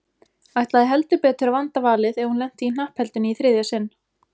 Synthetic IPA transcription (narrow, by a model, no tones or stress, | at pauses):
ajht̪laðɪɦɛlt̪ʏpɛːt̪ʏɾavant̪avaːlɪðɛɾhunlɛm̥t̪ɪin̥ahphɛlt̪ʏniθɾɪːðjasɪnː